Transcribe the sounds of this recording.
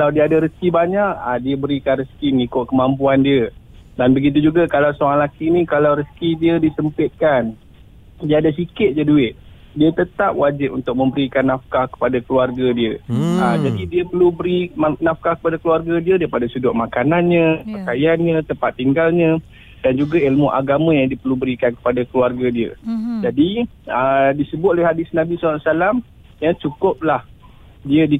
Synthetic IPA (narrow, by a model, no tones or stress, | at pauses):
kalawdiəadaɾəskibaɲaʔadiəbəɾikanrəskimŋikʊʔkəmampuandiə | danbəɡit̪̬ud͡ʒuɡakalawsoaŋlakinĩkalawɾəskidiədisəmpɪt̪̚kan | diadas̬ikɪt̪̚d͡ʒəduɪt̪̚ | diət̪ət̪ap̚wad͡ʒɪp̚unt̪ʊk̚mə̃mbəɾikanːafkahkə̥padakəluarɡadiəad͡ʒadidiəpərlubəɾimanafkahkə̥padakəluarɡadiədaipadasudʊʔmakananɲə̃pərkajanɲə̃t̪əmpat̪ːiŋɡalɲə̃ | dand͡ʒuɡailmuʔa̰ɡamə̃jaŋdiəpərlubəɾikankə̥padakəluarɡadiə̰d͡ʒadiədisəbʊt̪̚alɛhɦadɪsnãbisasalam | jat͡ʃukʊp̚lah | diədi